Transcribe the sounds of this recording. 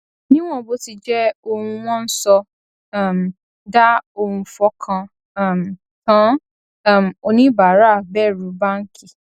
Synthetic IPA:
nĩ˦w̃ɔ̃˦˨bo˦ti˧d͡ʒɛ˦o˧hũ˧w̃ɔ̃˦n̩˦sɔ˧˦˨ | m˨ | da˦o˧hũ˧fɔ˧˦kʰã˧˨ | m˨ | kã˦˨ | m˨o˧nĩ˦ba˨˦ɾa˦˨bɛ˦˨ɾũ˨˦ba˦ŋ̩˦kʰi˦˨

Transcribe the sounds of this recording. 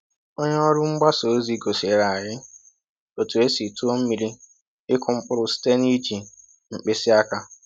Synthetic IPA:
o˦ɲe˦ɔ˦ɾʊ˦ŋ͡m̩˦ɡ͡ba˦so˨˦zi˦ɡo˨se˨˦ɾa˨a˨ɾɪ˦ | o˨tu˨e˦si˨tu˦o˦m̩˦mi˨ɾi˦ | ɪ˦kʊ˨ŋ͡m̩˦k͡pʊ˦ɾʊ˦˨si̥˦te˦ni˦d͡ʒi˨ | ŋ͡m̩˨k͡pɪ˦sɪ˦a˦ka˦

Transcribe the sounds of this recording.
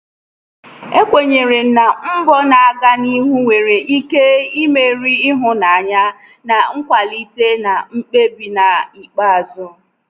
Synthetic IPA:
e˦kʷe˨ɲe˨ɾe˨n̩˨na˨ŋ͡m̩˦bɔ˦na˨a˦ɡa˦ni˦ɦu˦we˨ɾe˨ʔi˦ke˦i˦me˦ɾi˦ɪ˦ɦʊ˦na˨a˨ɲa˦ | na˨ŋ̩˦kʷa˨li˦te˦na˨ŋ͡m̩˦k͡pe˦bi˨na˨i˨k͡pa˦a˨zʊ˦

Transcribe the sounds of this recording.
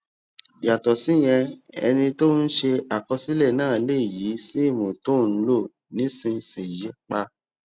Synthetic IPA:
ja˨tɔ˨sĩ˨˦˨j̃ɛ̃˧ɛ̰˧nĩ˧to˦n̩˦ʃe˧a˨kɔ˧si˦lɛ˦˨nãː˦˨˦le˦˨ji˨˦si˦i˦˨mõ˨to˦˨n̩˦lo˦˨ | nĩ˨˦sĩ˧sĩ˨jɛ˨˦k͡pa˧

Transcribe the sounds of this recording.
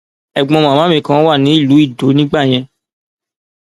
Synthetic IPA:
ɛ˨ɡ͡bɔ̃˨˧mã˨mã˨˦mĩ˧˦kã˦wa˦˨nĩ˨˦i˦˨lu˨˦i˦˨do˨˦nĩ˦ɡ͡ba˦˨j̃ɛ̃˧

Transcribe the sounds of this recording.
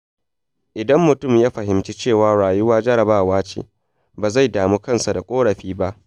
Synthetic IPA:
ʔɪ˨dɐ˦mːʊ˨tʊ˦˨mjaː˦ɸɐ˨hɪ˨mt͡ʃi˦t͡ʃeː˦˨waː˨ɽaː˨jʊ˦waː˦d͡ʒɐ˦ɾɐ˨baː˦˨waː˦t͡ʃḛː˨ | baː˨za˦˨jdaː˨muː˦kɐ˦˨nsa˨da˨kʷʼoː˦ɽɐ˨ɸiː˦ba˦ʔ

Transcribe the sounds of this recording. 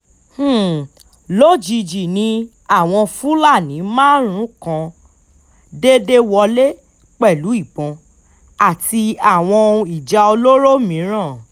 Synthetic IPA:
h̩˦˨ | lo˦d͡ʒi˨˧d͡ʒi˨nĩ˧ | a˦˨w̃ɔ̃˧fu˦la˦˨nĩ˨˦mãː˦ɾ̃ũ˨˦kã˧ | de˦de˦wɔ˧le˦ | k͡pɛ˦˨lu˨˦i˦˨ɡ͡bɔ̃˨˧ | a˦˨ti˧a˦˨w̃ɔ̃˧i˨d͡ʒa˧o˧lo˦ɾo˦mĩ˨˦ɾ̃ã˦˨

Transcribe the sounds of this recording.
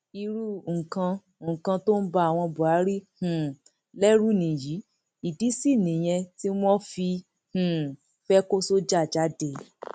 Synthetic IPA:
i˧ɾu˦˨ŋ̩˨kã˧ | ŋ̩˨kã˧to˦n̩˦ba˧a˨w̃ɔ̃˧bu˨a˨˦ɾi˦h̩˦˨ | lɛ˦ɾu˦nĩ˨ji˨˦ | i˨di˨˦si˦˨nĩ˨j̃ɛ̃˧ti˦w̃ɔ̃˦fi˧ | hũ˨ | fɛ˦ko˦so˦d͡ʒa˦˨d͡ʒa˨˦de˨

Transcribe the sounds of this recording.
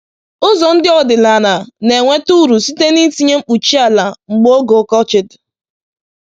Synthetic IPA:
ʊ˦zɔ˨n̩˦dɪ˦ɔ˨dɪ˨la˨na˨ne˨ŋʷe˦tu˦ɾu˨si˦te˦ni˦ti˦ɲe˦ŋ͡m̩˦k͡pu˨t͡ʃi˦a˨la˨ŋ͡m̩˨ɡ͡bo˦ɡo˨˦kɔ˦t͡ʃɪ˨dɪ˨

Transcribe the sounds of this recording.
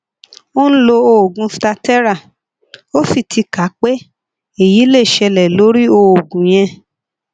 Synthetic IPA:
o˦ñ̩˦lo˧o˧o˨ɡũ˧fi˧ta˧tɛ˦ɾa˦˨ | o˦fi˦˨tʰi˧ka˨˦k͡pe˦ | e˦˨ji˨˦le˦˨ʃɛ˧lɛ˨lo˨˦ɾi˦o˧o˨ɡũ˨j̃ɛ̃˧

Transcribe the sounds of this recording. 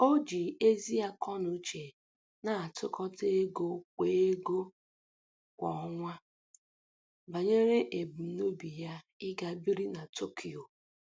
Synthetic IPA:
o˦d͡ʒi˨e˦zi˦a˦kɔ˦nʊ˨˦t͡ʃe˨ | na˨a˨tʊ˦kɔ˦te˦e˦ɡo˦kʷeː˨e˦ɡo˦ | kʷɔ˨˦ŋʷa˦ | ba˨ɲe˦ɾe˦ʔe˨bu˨˦no˦bi˨ja˦ | ɪ˦ɡa˦bi˦ɾi˦na˨to˦kʰi˨o˨

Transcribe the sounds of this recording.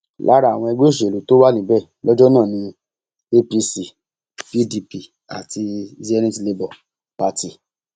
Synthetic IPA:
lʔa̰˦ɾa˦˨w̃ɔ̃˧ɛ˧ɡ͡bo˦˨ʃ̬e˨lu˨to˦wa˦nĩ˨˦bɛ˦˨lɔ˦d͡ʒɔ˦nãː˦˨nĩ˧ | e˦pi˧si˨ | pi˦di˧pi˧˨ | a̰˨tʰi˧zɛ˧nĩ˦ti˧le˧bɔ˨ | pa˧˦ti˨

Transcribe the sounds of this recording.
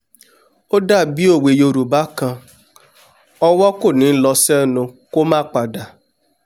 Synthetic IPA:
o˦da˦˨bi˦o˦˨we˨jo˨ɾu˨ba˦ka˦ | ɔ˦wɔ˦kʊ˦˨nɪ˨˦n̩˦lɔ˦sɛ˦nʊ˨ko˦ma˦˨k͡pa˨da˨

